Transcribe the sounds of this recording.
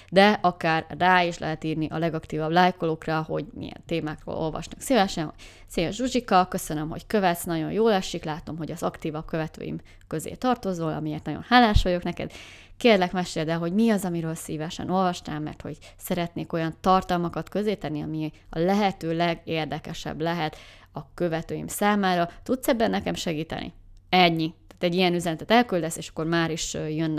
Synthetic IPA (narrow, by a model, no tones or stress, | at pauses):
d̪ɛɒkaːrːaːiʃlɛ̰ɦɛt̪iːrniʔɒlɛɡɒkt̪iːvɒblaːjkoloːkrɒho̞̰ɟmḭjɛ̰nt̪eːmaːkro̰ːlo̞̰lvɒ̰ʃnɒksiːvɛʃɛnho̰ɟ̥ | seːjɛʒʒuʒikɒkø̞sønømɦo̞̰ckø̞vɛt̪snɒɟo̞njoːlɛʃːiklaːt̪o̞mɦo̞ɟɒzɒkt̪iːvɒb̚kø̞vɛt̪ø̰ːjḭm | køzḛːt̪ɒrt̪o̞zoːlɒ̰mieːrt̪nɒɟo̰nhaːlːaːʃojo̞knɛkɛ̰d̪ | keːrlɛkmɛʃeːld̪ɛlɦoɟmiɒzɒmiɾøːlsiːvɛʃɛ̰no̞lvɒʃna̰ːmːɛ̰rt̪ho̰ɟ | sɛɾɛt̪neːko̞jɒnt̪ɒrt̪ɒlmɒkɒt̪kø̞zeːt̪ɛnːiɒmiɒ̰lɛɦɛt̪øːlɛɡeːrd̪ɛkɛʃɛ̰blɛɦɛt̪ | ɒkø̞vɛt̪øːjḭmsaːmaːɾɒt̪ut̪sɛbːɛnːɛkɛmʃɛɡiːt̪ɛ̰nʔḭɛɲːit̪aːt̪ɛɟːijɛnyzɛnɛt̪ɛt̪ɛlkyld̪ɛseːʃɒ̥kːo̞rmaːɾiʃjønː